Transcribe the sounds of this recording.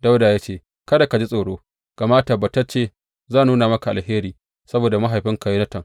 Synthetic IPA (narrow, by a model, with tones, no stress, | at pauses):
da˦wdaː˨jaː˦t͡ʃeː˦˨ | kɐ˦da˨ka˨d͡ʒi˦sʼoː˨ɽoː˦ | ɡ̥a˨maː˦ta˨ba˨ta˦t͡ʃeː˦˨ | zaː˦˨nuː˦naː˨mɐ˦ka˨ʔa̰˨lheː˦ɾiː˨ | sɐ˦boː˨da˨ma˦ɦa˨jɸɪ˦ŋka˨ji˦nɐ˦tɐ˨ŋ